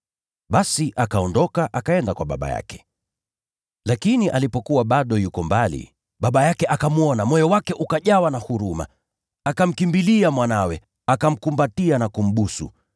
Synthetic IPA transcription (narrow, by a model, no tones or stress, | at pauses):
ɓasiʔakaɔndɔkaʔakaɛndakwaɓa̰ɓa̰ja̰kɛ̥ | lakiniʔalipɔkuwaɓaɗɔjukɔmbalḭ | ɓaɓajakɛʔakamuɔnamɔjɔwakɛʔukaʄawanahuɾuma̰ː | kam̩kimbiliamwanawɛ | akam̩kumbatianakum̩ɓusṵ